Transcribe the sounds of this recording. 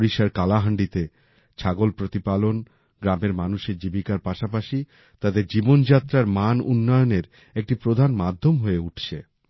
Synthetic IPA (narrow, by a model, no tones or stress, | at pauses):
ɾiʃaɾkalaɦaɳɖit̪e | t͡ɕʰaɡolpɾot̪ipalon | ɡɾameɾmanuʃeɾd͡ʑibikaɾpaʃap̬aʃi | t̪ad̪eɾd͡ʑibond͡ʑat̪ːɾaɾmanṵnːɔjoneɾ | ek̚ʈipɾod̪ʱanmad̪ʱːomɦoeuʈʰt͡ɕʰḛ